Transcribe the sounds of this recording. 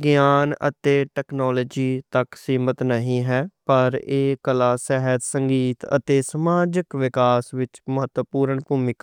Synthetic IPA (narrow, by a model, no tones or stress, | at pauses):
ɡjaːnə̰t̪eːʈɛːknɔːloːd͡ʒiːt̪əksiːmət̪nəɦĩːɦɛːpəɾeːkəlaːsɛɦət̪səŋɡiːt̪ə̰t̪eːsəmaːd͡ʒəkʋɪkaːsʋɪt͡ʃməɦət̪wəpuːɾəɳpuːmɪk